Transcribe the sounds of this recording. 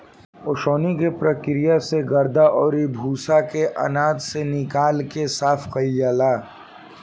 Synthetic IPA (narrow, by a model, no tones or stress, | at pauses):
oːʃoːnikepɾɐkɾijaseɡɐɾd̪aʔɔːɾibʱuːsakeʔɐ̰naːd̪senɪkaːlkesaːfqɐjːaːlaː